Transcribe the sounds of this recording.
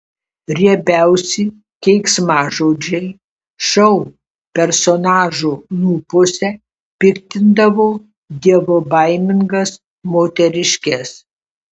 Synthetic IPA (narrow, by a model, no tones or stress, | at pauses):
ɾʲiɛbʲæˑʊsʲɪ | kʲɛɪksmɑːʒoːd͡ʒʲɛɪ | ʃɐʊ | pʲɛɾsɔnɑːʒuːnuːpʊsʲɛ | pʲɪkt̪ʲɪnd̪ɐʋoː | d̪ʲiɛʋoːbɐɪmʲɪŋɡɐs | moːt̪ʲɛɾʲɪʃʲkʲɛs